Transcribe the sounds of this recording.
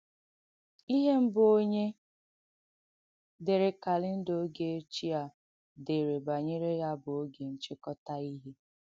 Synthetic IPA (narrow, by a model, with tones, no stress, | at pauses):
i˦ɦe˦m̩˦bo˦ɲe˦ | de˨ɾe˨ka˨lɪ˦n̩˦do˦ɡe˨e˦t͡ʃi˦a˨ | de˨ɾe˨ba˨ɲe˦ɾe˦ja˦bʊ˨o˦ɡe˨n̩˨t͡ʃɪ˦kɔ˦ta˦i˦ɦe˦